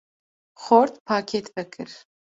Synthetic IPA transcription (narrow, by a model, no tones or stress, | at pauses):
χortʰpʰaːkʲʰetʰbɐkʰɨ̰r